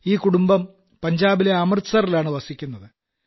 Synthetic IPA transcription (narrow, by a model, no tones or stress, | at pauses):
iːkuɽumbɐm | pɐɲd͡ʑaːbile̞ɐmɐrsɐrilaːɳɨʋɐsikʲːunːɐðɨ